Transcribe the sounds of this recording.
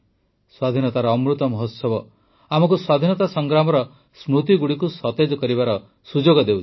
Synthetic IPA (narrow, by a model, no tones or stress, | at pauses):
swad̪ʱinɔt̪aɾɔːmɾut̪ɔmɔɦot̪sɔbɔ | amɔkuswad̪ʱinɔt̪asɔŋɡɾamɔɾɔ | smut̪iɡuɽikusɔt̪ed͡ʒɔkɔɾibaɾɔ | sud͡ʒoɡɔd̪ewt͡ʃ